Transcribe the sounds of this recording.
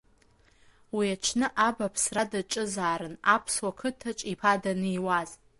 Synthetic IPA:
wiat͡ʃʷʰnɨʔabapʰsradaʈ͡ʂʼɨzaːɾɨnapʰswakʰɨtʰat͡ʃʼipʰadanɨiwaz

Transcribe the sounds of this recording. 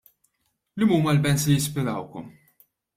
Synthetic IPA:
limuːmɐlbɛnslijɪspɪɾɐwkɔ̰m

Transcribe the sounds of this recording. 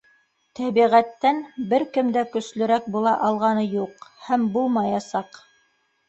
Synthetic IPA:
t̪ʰæβiʁæt̪ːænbɘɾkɘ̆md̪ækɵ̆slɵ̆ɾæk̚bulˠɑʔɑlˠʁɑnɤjuqhæmbulˠmɑjɑsɑq

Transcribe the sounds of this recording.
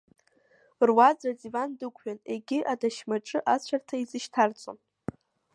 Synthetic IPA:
rwad͡zad͡zivandɨkʷʰʼɥᶣaneɡʲɪʔadaʃmaʈ͡ʂʼɨʔat͡ɕʷʰartʰaizɨʃtʰart͡sʷʼo̰n

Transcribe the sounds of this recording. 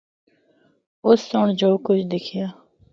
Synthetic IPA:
ʊsːoɳd͡ʒoːkʊt͡ʃʰd̪ɪkʰijaː

